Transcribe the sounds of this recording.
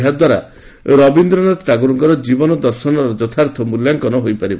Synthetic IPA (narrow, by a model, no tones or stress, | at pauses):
ɦad̪waɾa̰ | ɾɔbind̪ɾɔnat̪ɾaɡuɾɔŋkɔɾɔd͡ʒibɔnɔd̪ɔɾsɔnɔɾɔd͡ʒɔt̪ʰaɾt̪ʰɔmuljaŋkɔnɔɦojpaɾib